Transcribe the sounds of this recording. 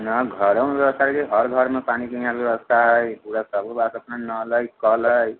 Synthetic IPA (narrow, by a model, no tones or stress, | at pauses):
nʌɡʱʌɽʌwnbjebʌst̪ʰaɾekiɦʌɾɡʱʌɾmapanikʌjãbjewʌst̪ʰaɦʌjuɽasʌbʌbasʌpnanʌlʌjkʌlʌj